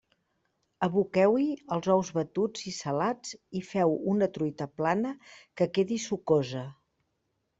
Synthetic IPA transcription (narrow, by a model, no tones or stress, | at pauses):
əβukɛwiəlˠzɔwzβət̪ud͡zisəlad͡zifɛwunət̪ɾujt̪əplanəkəkeðisukozə